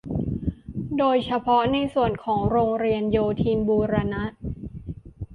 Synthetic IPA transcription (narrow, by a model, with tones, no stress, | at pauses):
doː˧jt͡ɕʰa˧pʰɔ˦˥na˧jsu˨˩ənkʰɔː˩˦ŋɾoː˧ŋɾi˧ənjoː˧t̪ʰiː˧nbuː˧ɾa˧na˦˥t̪̚